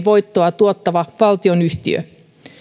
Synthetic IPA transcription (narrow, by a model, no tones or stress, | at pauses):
ʋo̞jt̪ːoɑt̪uot̪ːɑʋɑʋɑlt̪ionyht̪ḭø̰